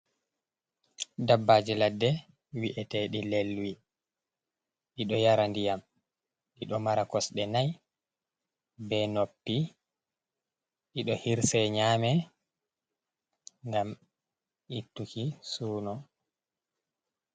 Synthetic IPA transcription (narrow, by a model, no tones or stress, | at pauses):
dabːad͡ʒiladːɛ | wiʔɛtɛɗilelːuwi | ɗiɗɔjaɾandijam | ɗiɗɔmaɾakɔsɗɛnaj | bɛnopːi | ɗiɗɔhiɾsɛɲaːmɛ | ŋɡam | ʔitːukisuːnɔ